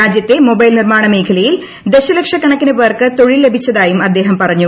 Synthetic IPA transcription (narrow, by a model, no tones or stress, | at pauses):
aːd͡ʑjɐt̪ːemo̞bɐjlnirmaːɳɐmeːkʰɐlɐjil | d̪e̞ɕɐlɐkʂɐkɐɳɐkːinɨʋɐːrkɨt̪o̞ɻilːe̞bʱit͡ɕːɐðaːjumɐd̪ːe̞ːɦɐmpɐrɐɲːu